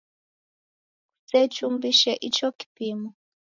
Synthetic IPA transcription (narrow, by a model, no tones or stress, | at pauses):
ku̥set͡ʃumbiʃɛʔit͡ʃɔki̥pimu